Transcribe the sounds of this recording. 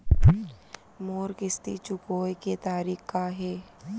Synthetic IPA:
moːɾkɪst̪ḭt͡ʃʊkoːjket̪aːɾiːkaɦeː

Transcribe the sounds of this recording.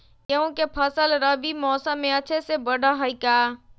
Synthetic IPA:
jɐũkepʰəsəlɾəʋimɔːsə̃mẽɐt͡ʃʰesebɐɖʱaɦaikaː

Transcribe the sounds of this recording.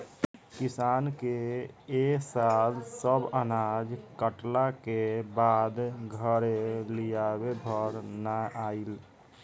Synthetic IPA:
kɪsaːnkeesalsəbənad͡ʒkəʈlakebad̪ɡʱəɾelijabebʱəɾnaʔaːil

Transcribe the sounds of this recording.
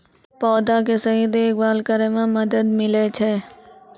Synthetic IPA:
pɔːd̪akesɐɦid̪eːkbaːlkəɾemẽmɐd̪əd̪mɪlet͡ʃʰe

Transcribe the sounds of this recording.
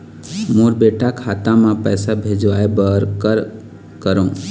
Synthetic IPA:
muːɾbeːʈakʰat̪ãmãpɛːsabʱeːd͡ʒʋaːebəɾkəɾ | kəɾõ

